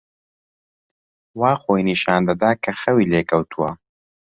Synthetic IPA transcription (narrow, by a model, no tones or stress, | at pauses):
waːxojniʃaːnd̪ɐd̪aːkʰɐxɐwiːleːkʰɐwt̪ʰuwɐ̰